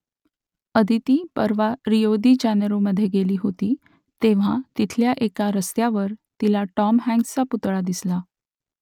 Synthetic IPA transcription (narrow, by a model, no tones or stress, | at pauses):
əd̪ʱit̪iːpəɾʋaɾijod̪iːd͡ʑanɾoməd̪ʱːjeɡeliːɦot̪iː | t̪eʋ̤at̪it̪ʰljaʔekaɾəst̪jaʋəɾt̪ilaʈɔmɦɛ̃ŋɡt͡saput̪ɭad̪isla